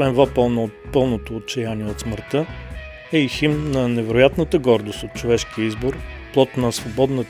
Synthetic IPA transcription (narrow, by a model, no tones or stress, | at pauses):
vɛnvapəlˠnpɤlˠnot̪oːt̪̚t͡ʃɛjaniɛot̪sməɾt̪ə | ɛiximnɐnɛvɛɾojat̪nət̪əɡɔɾd̪ost̪ot̪̚t͡ʃovɛʃkiəizboɾplˠɔt̪nɐsvobɔd̪nə